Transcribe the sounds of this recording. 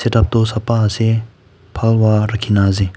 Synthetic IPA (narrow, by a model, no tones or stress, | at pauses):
seʈap̚t̪osapːase | pʰalwaɾakʰinazi